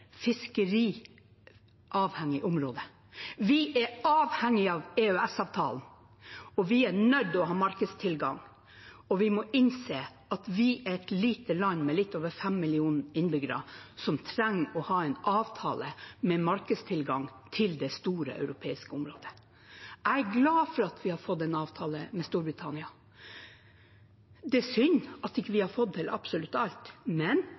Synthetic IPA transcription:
fɪskəɾiː | ʔɑːʋhɛŋːɪʔʊmɾoːd̪ə | ʋɪʔɛɑːʋhɛŋːɪɑːʋɛœɛsɑːʋt̪ʰɑːln̩ | ɔʋɪænœd̪ɔɦɑːmɑɾkəst̪ʰɪlɡɑŋ | ɔʋɪmɔʔɪnseː | ɑt̪ʋɪʔæɾɛt̪liːt̪əlɑnːmɛlɪt̪ːoːʋəɾfɛmːɪlɪuːnəɪnbʏɡəɾɑ̰sɔmt̪ʰɾæŋːɔhɑːɛɪnɑːʋt̪ʰɑ̰ːləmɛmɑɾkəst̪ʰɪlɡɑŋt̪ʰɪld̪ɛst̪uːɾə̰ʔœ̰ʉɾʊpʰeːɪskəʊmɾoːd̪ə̥ | ʔæɪæɡlɑːfɔɾɑt̪ʰʋɪhɑɾfɔd̪ːɛnɑːʋt̪ʰɑːləmɛst̪uːɾbɾɪt̪ʰɑnɪɑ | d̪ɛsʏnɑt̪ɪkːəʋɪhɑɾfɔd̪̚t̪ʰɪlʔɑ̰psɔlʉt̪ːɑlt̪mɛn

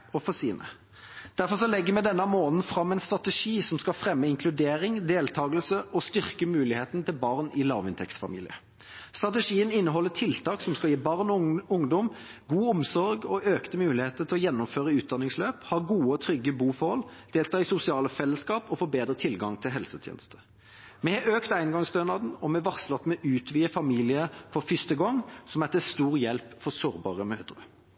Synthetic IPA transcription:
ɔfɔsiːnə̰ | d̪̥æʁfɔʁsɔlɛɡːəmɛd̪ɛnːəmoːnən̩fʁɑmːɛɪnst̪ʁɑt̪ɛʂiːsɔmskɑlfʁɛmːəɪŋkʰlʉd̪eːɾɪŋd̪eːlt̪ʰɑːɡəlsəɔst̪ʏʁkəmʉːlɪheːt̪nt̪ʰɪlbɑʁnɪlɑ̰ːʁʋɪnt̪ʰɛ̰ksfɑ̰mḭːlɪ̰ə̰ | st̪ʁɑt̪əʂiːənɪnːəɦɔlːətʰɪlt̪ʰɑːksɔmskɑjiːbɑʁnɔʊŋd̪ɔmɡuːʊmsɔɾɡɔʔøːkt̪əmʉːlɪheːt̪ət̪ʰɪlɔjɛnːʊmføːʁəʉːt̪̚d̪ɑnːɪŋsløːphɑːɡuːəɔt̪ʰɾʏɡːəbuːfɔhɔld̪̥eːlt̪ʰɑːɪsʊsɪɑːləfɛlːəskɑːpɔfoːbeːd̪ɾət̪ʰɪlɡɑŋt̪ʰɪlɦɛlsət̪ʰjḛːnəst̪ʰə̥ | mɛhɛʔøːkt̪æɪnɡɑŋsd̪øːnɑd̪n̩ɔmɛʋɑʁslɑt̪ːmɛʔʉːt̪ʰʋiːəfɑmiːlɪəfɔʁfʏst̪əɡɔŋːsɔmæt̪əst̪uːʁjɛlpfɔʁsoːʁbɑ̰ːʁəmøːd̪ʁə

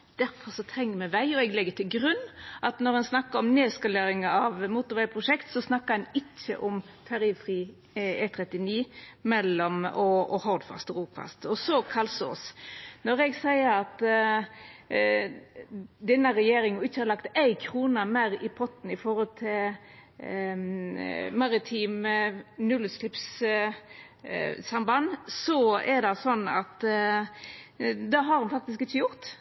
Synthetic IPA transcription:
d̪̥æɾfɔɾsɔt̪ʰɾɛŋːəmɛʋæɪɔɛɡlɛɡːət̪ʰɪlɡɾʉnːʔɑt̪nɔɾɛnsnɑkːəɾɔmneːskɑleːɾɪŋɑɑʋmuːt̪ʊɾʋæɪpʰɾʊʂɛkt̪sɔsnɑkːəɾɛnɪt͡ʃːə̰ʔɔm | t̪ʰɑɾiːʋfɾiː | ɛt̪ʰɾɛt̪ːɪniːmɛlːɔmɔɔhɔɾd̪fɑ̰st̪ɔɾuːfɑ̰st̪ɔsɔkʰɑlsɔ̰snɔɾɛɡsæɪəɾɑt̪ | d̪ɛnːəɾɛjeːɾɪŋɪçːəhɑɾlɑkt̪æɪkʰɾuːnɑmæɾɪpʰɔt̪n̩ɪfɔɾɔlt̪ʰɪl | mɑɾɪt̪ʰiːmnʉlslɪps | sɑmbɑnːsɔɛɾd̪ɑsɔnːɑt̪ | d̪ɑɦɑɾhʊnfɑk̚t̪ɪskɪt͡ʃːəjʊɾt̪

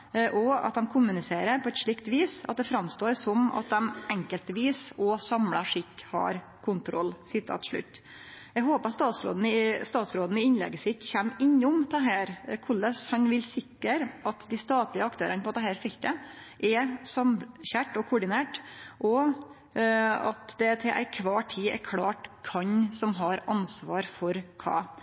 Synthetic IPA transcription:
ʔɔɑ̰t̪̚d̪ɛmkʰʊmʉnɪseːɾəɾpʰɔɛt̪ʂɭɪkt̪ʋiːsɑ̰t̪̚d̪ɛfɾɑmst̪oːɾsɔmɑ̰t̪̚d̪ɛmɛŋkəlt̪ʋiːsɔsɑmlɑʂɪkːhɑ̰ɾ | kʰʊnt̪ʰɾɔ̰lːsɪt̪ːɑ̰t̪ʰʂɭʉ̰t̪ː | ɛɡɦoːpəst̪ɑːt̪sɾo̰ːd̪n̩ɪst̪ɑːt̪sɾoːd̪n̩ɪɪnlɛ̰ɡːəsɪt̪ːçæmːɪɲːʊmt̪ʰɛɦæːɾkʰʊlːəshɑɲʋɪlsɪkːəɾʔɑt̪d̪ɪst̪ɑːt̪lɪəɑkt̪ʰøːɾənəpʰɔɑt̪̚d̪ɛhæːɾfɛkt̪əʔɛsɑmɕæʈɔkʰʊɖɪneːʈʔɔ | ɑ̰t̪d̪ɛt̪ʰɪlʔæ̰ɪkʰʋɑːʈʰiːɛ̰ɾkʰɽɑːʈkʰɑɲsɔmɦɑɾɑnsʋɑːɾfɔɾkʰɑ̰ː

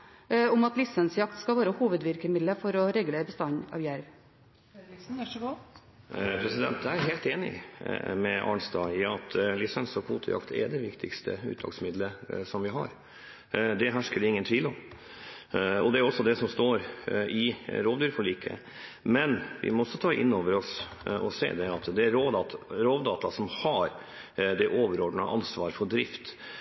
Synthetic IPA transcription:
ʊmɑt̪lɪsənsjɑkt̪skɑʋæːɾəhuːʋəd̪ʋɪɾkəmɪd̪ləfɔɾɔɾɛɡʉleːɾbəst̪ɑɲɑ̰ːʋjæɾʋ | pʰɾɛsɪd̪ɛ̰nt̪jæɦeːlt̪eːnɪ̰mɛɑ̰ɳst̪ɑɪɑt̪ʰlɪsənsɔkʰʋṵːt̪ʰəjɑ̰kt̪ʰɛ̰ɖ̪ɛʋɪkt̪ʰɪkst̪ʰə̰ʉ̰ːt̪ʰɑ̰ɡsmɪd̪ləsɔmʋɪɦɑ̰ɾ | d̪ɛɦæʂkəd̪ɪŋːənt̪ʰʋiːlɔm | ɔd̪ɛæɾɔsːɔd̪ɛsɔmst̪oːɾʔɪɾoːʋd̪yːɾfɔɭiːkʰə̰ | mɛnʋɪ̰mɔɔsːɔt̪ʰɑːʔɪ̰nːoːʋəɾɔs | ɔsḛːd̪ɛɑt̪d̪ɛæɾɾoːd̪ɑɾoːʋd̪ɑːt̪ɑsɔmhɑɾ | d̪ɛʔoːʋəɾɔɖɳəʔɑnsʋɑːɾfɔɖ̪ɾɪft̪

